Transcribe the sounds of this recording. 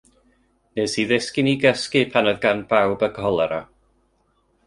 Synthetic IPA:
nesiðɪskɪniɡəskɨpʰanɔðɡanb̥awbəɡɔlˠaɾa

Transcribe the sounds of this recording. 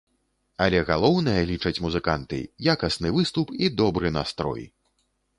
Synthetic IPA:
ɐlʲɛɣalˠɔwnɐjɐlʲit͡ʂɐt͡sʲmuzɨkant̪ɨ̰jakɐsnɨvɨst̪upid̪ɔbɾɨnast̪ɾɔ̰j

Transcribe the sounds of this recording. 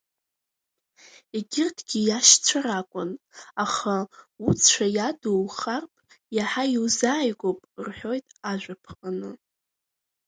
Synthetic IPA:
eɡʲɪrtʰɡ̥ʲijaʃt͡sʷʰaɾakʷʼʊnaχaut͡sʰʷajaduwχarpʰʼ | jaħaiwzaːjɡʷopʼrħʷᶣo̞jtʼaʒᶣʷapʰqʼanɨ

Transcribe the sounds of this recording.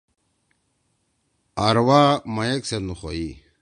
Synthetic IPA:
aɾwamajeksenuχoi

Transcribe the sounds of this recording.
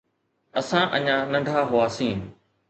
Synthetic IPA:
ɐsãʔɐɲãnɐ̃ɳɖʱaːɦʊaːsĩː

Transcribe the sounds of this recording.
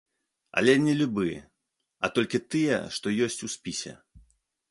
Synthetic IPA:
ɐ̰lʲɛnʲɛlʲubɨ | ɐt̪ɔlʲkʲit̪ɨjɛ̰ʂt̪ɔjɔsʲt͡sʲusʲpʲisʲɛ̰

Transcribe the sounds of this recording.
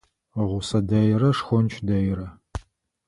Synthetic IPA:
ʁʷʊsɐdɐjrɐʂxʷɔnt͡ʃʰʼdɐjɾɐ

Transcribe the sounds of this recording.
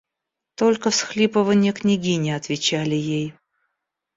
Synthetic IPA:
t̪olʲkəfsxlʲipəvənʲɪjjəknʲɪɡʲinʲɪɐt̪vʲɪt͡ɕælʲɪjej

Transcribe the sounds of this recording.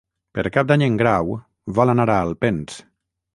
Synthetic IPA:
peɾkap̚d̪aɲeŋɡɾaw | valanaɾaːlˠpens

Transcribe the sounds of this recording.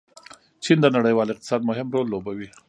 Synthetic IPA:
t͡ʃind̪ənaɽəjwɑlɪqt̪ɪ̥sɑd̪̚mʊɦɪmɾolːobawi

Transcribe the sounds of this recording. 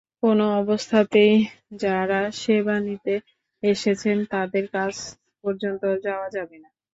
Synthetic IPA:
konoɔbost̪ʰat̪ejd͡ʑaɾaʃebanit̪e | eʃet͡ɕʰent̪ad̪eɾkad͡ʑ | pɔɾd͡ʑont̪od͡ʑaoad͡ʑabena

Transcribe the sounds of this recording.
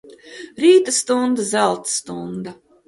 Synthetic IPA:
ɾiːt̪ast̪und̪azælˠt̪st̪und̪a

